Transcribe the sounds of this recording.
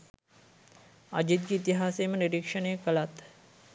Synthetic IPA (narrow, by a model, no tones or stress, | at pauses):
a̰d͡ʒit̪̚ɡeit̪iɦaːsejməniɾikʂənejəkəlat̪